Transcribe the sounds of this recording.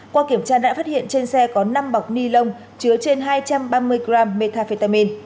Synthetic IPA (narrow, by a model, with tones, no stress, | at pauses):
kwaː˧ki˧˩əmt͡ɕaː˧ɗa̰ː˧˥faː˦˥t̚hḭ˧˨ənt͡ɕe˧nsɛ˧kɔ˨˦na˧mɓa˨˩wk͡p̚ni˧lə˧wŋ͡m | t͡ɕɨ˨˦ət͡ɕe˧nɦaː˧jt͡ɕa˧mɓaː˧mɨ˧əjɡɾaː˧mːe˧t̪ʰaː˧fe˧˩t̪aː˧mi˧n